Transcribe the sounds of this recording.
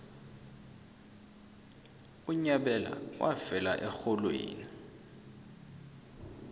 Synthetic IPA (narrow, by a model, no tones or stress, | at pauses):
uɲaɓɛla̰wʔafɛlaʔɛxɔlwḛːni